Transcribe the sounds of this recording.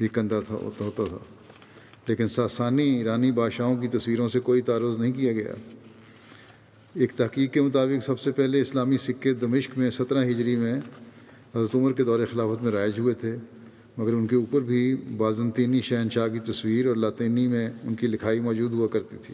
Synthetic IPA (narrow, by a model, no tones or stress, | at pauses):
bʱikə̃nd̪at̪ʰa̰ɦoːt̪at̪ʰa̰ː | leːkɪnsaːsaːniiːɾaːnibaːd̪ʃaːõk̬it̪ɐswiːɾõsekoːit̪aːɾʊːznɐɦĩkijaɡɐja̰ː | eːk̚t̪ɐɦkiːkːemʊt̪aːbɪksɐbsepɛɦleɪslaːmisɪkːet̪̚d̪ɐmɪʃkmẽsɐt̪ɾãɦɪd͡ʒɾimẽ | ɦɐzɾət̪ʊməɾked̪ɔːɾexɪlaːfət̪mẽɾaːɪd͡ʒɦuet̪ʰe | mɐɡəɾʊnkeuːpəɾbʱibaːzə̃nt̪iːniʃɛɦənʃaːk̬it̪ɐswiːɾɔːɾlaːt̪iːnimẽʊnkilɪkʰaːimɔːd͡ʒuːd̪ɦuakɐɾt̪it̪ʰiː